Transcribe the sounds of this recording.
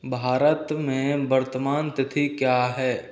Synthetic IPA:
bʱaːɾət̪mẽbəɾt̪əmaːnt̪ɪt̪ʰikjaɦɛː

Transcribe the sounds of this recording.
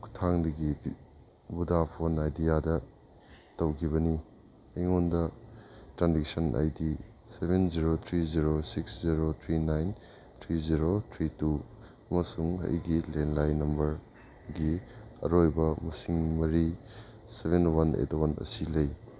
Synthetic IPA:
kʰu̥tʰaŋdɐɡi | budapʰonajdijadɐ | tɐwkʰiβɐni | ejŋondɐtɾandik̚sɐnʔa̰jdi | sebʱenziɾot̪ʰɾiziɾosiksziɾot̪ʰɾinajn | t̪ʰɾiziɾot̪ʰɾitu | ɐmɐsuŋɦɐ̰jɡilenlajnɐmbɐɾ | ɡiɐ̰ɾojbɐmɐsiŋmɐɾi | sebʱenwɐnḛtwanɐ̰silɐj

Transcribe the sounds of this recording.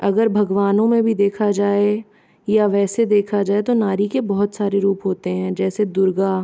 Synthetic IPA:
ɐɡəɾbʱɐɡʋaːnõmẽbʱid̪eːkʰad͡ʒaːe | jaʋɛːsed̪eːkʰad͡ʒaːet̪onaːɾikebɔɦʊt̪saːɾeɾuːpɦoːt̪eɦɛ̃d͡ʒɛːsed̪ʊɾɡa

